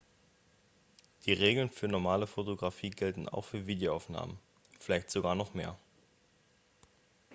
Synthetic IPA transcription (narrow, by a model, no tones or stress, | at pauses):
d̥iːʁeːɡl̩nfyːɐnɔɐmaːləfotoɡʁafiːɡɛltn̩a̰ʊxfyːɐviːdejoaʊfna̰ːmən | fɪlaɪçtz̥oɡaːɐnɔχmeːɐ